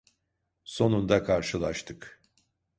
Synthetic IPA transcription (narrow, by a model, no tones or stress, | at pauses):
so̞nund̪akʰaɾʃɯlˠaʃt̪ʰɯk